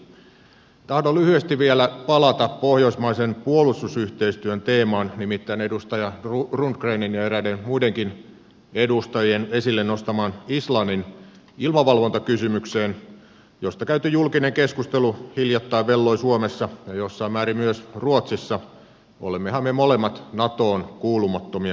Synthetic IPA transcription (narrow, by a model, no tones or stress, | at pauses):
t̪ɑhdolyhyest̪iʋʋielæpɑlɑt̪ɑppohjoismɑisenpuolust̪usyht̪eist̪yønt̪eːmɑːnnimit̪ːæinedust̪ɑjɑrurundkreininjɑeɾædenmuideŋkin | edust̪ɑjenesilːennost̪ɑmɑːnislɑnːin | ilmɑʋɑlʋont̪ɑkysymykseːn | jost̪ɑkæyt̪yjulkineŋkeskust̪eluhiljɑt̪ːɑiʋʋelːoisuomesːɑjɑjosːɑimæːɾimyøsruot̪sisːɑ | ʔo̰lemːehɑmmemolemːɑt̪nɑt̪oːnkuːlumɑt̪ːomiɑ